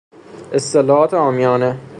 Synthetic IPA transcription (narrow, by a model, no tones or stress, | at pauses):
ʔest̪elɒːhɒːt̪ʰeɒːmijɒːne